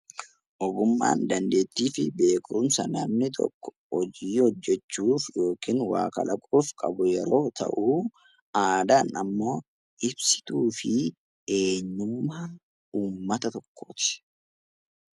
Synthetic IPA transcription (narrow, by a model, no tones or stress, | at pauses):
ʔɔɡʊmːa̰ːnd̪ɐnd̪e̞ːt̪ːiːfɪbe̞ːkɾʊnsɐnɐmnɪt̪ʰɔ̰kːɔ̥hɔd͡ʒiːhɔd͡ʒːɛt͡ʃːuːfjo̞ːkiːnwa̰ːkɐ̰lɐkʼuːfkʼɐ̰bʊjɛɾo̞ːt̪ʰɐ̰ʔuː | aːd̪aːnɐmːo̞ː | ʔɪbsɪ̥t̪uːfɪ | e̞ːɲːʊmːaː | uːmːɐt̪ɐt̪ɔkːo̰ːt̪ɪ̥